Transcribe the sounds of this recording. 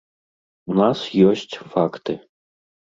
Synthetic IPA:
unasjɔsʲt͡sʲfakt̪ɨ

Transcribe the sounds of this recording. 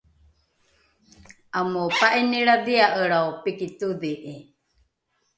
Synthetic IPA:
ʔamopaʔiniɾadiaʔəɾaopikit̪udiʔi

